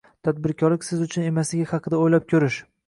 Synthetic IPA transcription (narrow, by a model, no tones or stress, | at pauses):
t̪ʰad̪̚bɪɾkʲʰɒɾlɪkʲsɪzʊt͡ʃʰʊne̞maslɪɡʲahɑqʰɨd̪aojlap̚kʲʰɵɾɪʃ